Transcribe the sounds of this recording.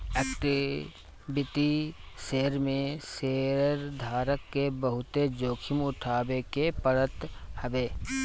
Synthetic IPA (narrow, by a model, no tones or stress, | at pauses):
eːkʈɪ | bɪt̪iseːɾmẽseːɾd̪ʱaːɾəkːebəɦʊt̪ed͡ʒoːkʰɪmʊʈʰaːbekepəɾət̪həʋeː